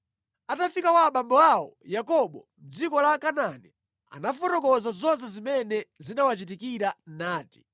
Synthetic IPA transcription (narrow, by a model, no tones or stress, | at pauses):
atafikakwaɓambɔawɔjakɔɓɔm̩d͡zikɔlakanani | a̰nafɔtɔkɔzazɔns̬ɛzimɛnɛzinawat͡ʃit̬ikiɾanaːti̥